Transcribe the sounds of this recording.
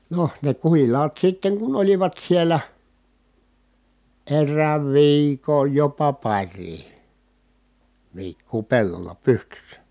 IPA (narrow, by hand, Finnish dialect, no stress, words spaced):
noh ne kuhilˑɑːt sitːeŋ kun oliʋɑt sielˑæ erːæːʋ ʋiːkoj jopɑ pɑrˑiː ʋiːkːuː pelːolːɑ pystysːæ